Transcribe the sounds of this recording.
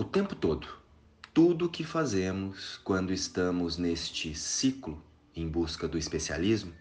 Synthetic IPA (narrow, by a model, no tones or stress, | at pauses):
ʊt̪ẽmpʊt̪od̪ʊ | t̪ud̪ʊkɪfazẽmʊskwɐ̃nd̪ʊɪst̪ɐ̃mʊznest͡ʃɪsiklʊ | ẽj̃buskɐd̪ʊispesia̰lizmʊ